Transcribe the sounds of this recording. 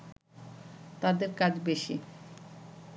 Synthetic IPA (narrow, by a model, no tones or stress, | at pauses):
t̪ad̪eɾkad͡ʑbeʃi